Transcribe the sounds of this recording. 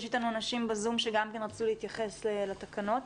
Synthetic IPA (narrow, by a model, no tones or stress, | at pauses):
ʃit̪anuanaʃimbezumʃeɡamke̞nʁat͡sulehit̪jaχe̞slelatakano̞t